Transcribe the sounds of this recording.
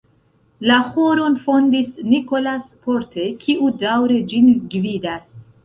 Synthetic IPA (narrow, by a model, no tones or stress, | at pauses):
lahoɾo̞nfo̞ndisniko̞laspo̞ɾte̞kʰiʔudawɾe̞d͡ʒinɡvidas